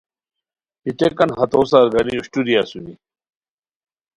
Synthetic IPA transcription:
hit̪ekɐnɦɐt̪oːsaɾɡɐniuɕʈuɾiasuɾi

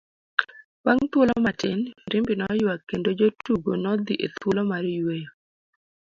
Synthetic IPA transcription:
waŋt̪wolɔmatɪnɾɪmbɪnɔjwakːendod͡ʒotuɡonɔd̪iʔet̪wolɔmaɾjwejo

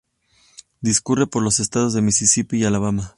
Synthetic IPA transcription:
d̪iskure̞po̞ɾlo̞se̞st̪aðo̞zðemisisipialaβ̞ama

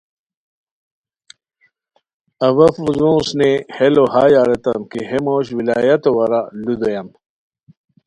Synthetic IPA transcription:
ɐwɐfuzũːsnehelohaːjaɾet̪ɐ̰mkiɦemoːɕwilaːjɐt̪owɐɾalud̪ojam

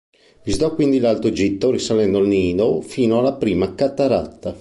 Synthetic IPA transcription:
vizd̪ɔkːwind̪ilalt̪ɾod͡ʒit̪ːorisalɛnd̪oalniːd̪ofiːnoalːapɾiːmakat̪ːaɾat̪ːa

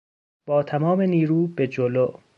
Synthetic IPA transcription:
b̥ɒːt̪ʰæmɒːme̞niːɾuːbed͡ʒoloː

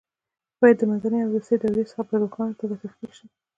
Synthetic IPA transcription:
b̥ɑjad̪ːəmanzaneawɾust̪əjd̪awlesxapəɾokɑnt̪alafifkeʃi

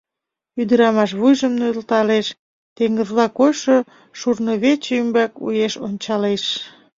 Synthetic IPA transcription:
yd̪əɾɑmɑʃβujʒəmnøəlt̪ɑleʃ | t̪eŋɡəzlɑkojʃo | ʃurnoβet͡ɕymbækṵjeʃonʲt͡ɕɑleʃ

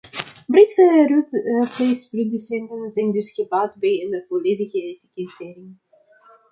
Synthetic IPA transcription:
britsərutəfejsprodysɛntənzɛjndɵsɣəbaːtbɛjɪndəvoleːdəɣəetikɛtɪːriə

